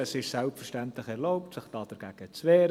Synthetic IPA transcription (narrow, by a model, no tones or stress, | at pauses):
əsɪʃsɛlpfəɹʃtæntlɪχɛɾloʊptsɪχd̥ɑːd̥ɛɾɡ̥æːɡ̥ət͡sʋeːɾə